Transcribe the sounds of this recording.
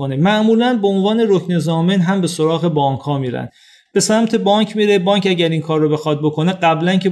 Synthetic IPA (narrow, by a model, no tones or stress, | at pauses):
onemæʔmuːlænbeonvɒːne̞ɾokʰne̞zɒːmenɦæmbe̞so̞ɾɒːɣe̞bɒːŋkʰhɒːmiːɾæ̰n | b̥e̞sæmt̪ʰe̞bɒːŋcʰmiɾe̞bɒːŋcæɟæɾiŋkʰɒːɾːobe̞xɒːd̪̚bo̞kʰo̞neɢæblæncʰe